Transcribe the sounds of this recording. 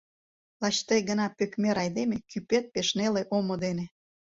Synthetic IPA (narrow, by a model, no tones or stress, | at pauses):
lɑt͡ɕt̪ejɡənɑpøkmeɾɑjd̪emekypet̪̚peʃneleʔomod̪ene